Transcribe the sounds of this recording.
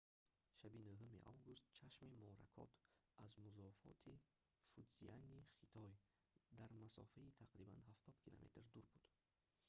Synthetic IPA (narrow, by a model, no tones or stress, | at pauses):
ʃabinuɦumḭʔa̰wɡust̪̚t͡ʃʰaʃmimɔɾa̰kʰɔ̰t̪ʰ | azmuzɔfɔ̰t̪ʰi | fud̪zianiχit̪ʰɔj | d̪aɾmasɔ̰fait̪ʰaqɾiba̰nɦaft̪ʰɔd̪kʰila̰met̪ɾd̪uɾbud̪̥